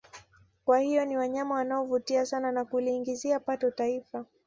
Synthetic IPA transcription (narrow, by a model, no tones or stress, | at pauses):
kwahijɔniwaɲamawanaɔvutiasananakuliːŋɡiziapatɔtaifa